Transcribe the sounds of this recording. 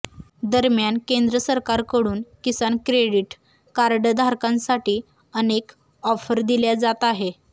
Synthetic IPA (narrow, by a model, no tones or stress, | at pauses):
d̪əɾmjankẽnd̪ɾəsəɾkaɾkəɽuːnkisankɾeɽiʈ | kaɾɖd̪ʱaɾkãnsaʈiː | ənek | ɔfəɾd̪iljad͡zat̪aɦe